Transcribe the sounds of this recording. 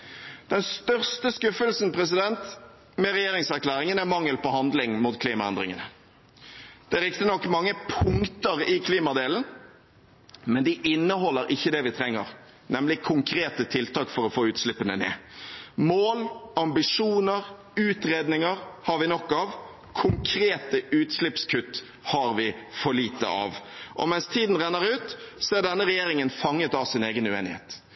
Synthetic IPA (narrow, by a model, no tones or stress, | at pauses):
d̪̥ɛnst̪œʁst̪əskʉfəlsn̩pʰɾɛsɪd̪ɛnt̪ | mɛʁɛjeːɾɪŋsæʁkʰlæːɾɪŋənæʁmɑŋːəlpɔhɑnd̪lɪŋmut̪kʰliːmɑɛ̰nd̪ɾɪ̰ŋənə | d̪̥ɛɾɪkt̪ənɔkːmɑŋːəpʰʊŋt̪əʁɪkʰliːmɑd̪eːln̩ | mɛnd̪ɪʔɪnːəɦɔlːəɾɪçːəd̪ɛʋɪt̪ʰɾɛŋːə̰ʁ | nɛmlɪkʰʊŋkʰɾeːt̪ət̪ʰɪlt̪ʰɑːkfɔɾɔfoːʉːt̪slɪpːənənḛːmoːlɑmbɪʂuːnəɾ | ʉːt̪ɾeːd̪nɪŋəɾhɑɾʋɪnɔkːɑʋ | kʰʊŋkʰɾeːt̪əʉːt̪slɪpskʰʉt̪ː | hɑɾʋɪfɔɭiːt̪ə̰ʔɑ̰ʋʔɔ̰mɛnst̪ʰiːd̪n̩ʁænːəɾʉːt̪sɔæɖ̪ɛnːəʁɛjeːɾɪŋənfɑŋːət̪ɑʋsɪneːɡənʉeːnɪhḛːt̪